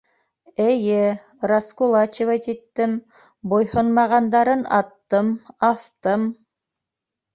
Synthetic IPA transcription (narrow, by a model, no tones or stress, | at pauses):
ɘ̆jɘ | raskulˠɑt͡ɕevɑt̪it̪ːɘm | bojhonmɑʁɑnd̪ɑɾɤnɑt̪ːɤmɑθt̪ɤm